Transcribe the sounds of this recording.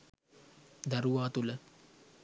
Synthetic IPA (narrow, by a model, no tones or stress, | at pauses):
d̪aɾuʋaːt̪ulə